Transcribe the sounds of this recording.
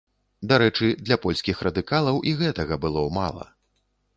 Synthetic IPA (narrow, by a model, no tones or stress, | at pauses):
d̪aɾɛt͡ʂɨd̪lʲɐpɔlʲsʲkʲixrɐd̪ɨkalˠɐwʔiɣɛt̪ɐɣɐbɨlˠɔma̰lˠɐ̰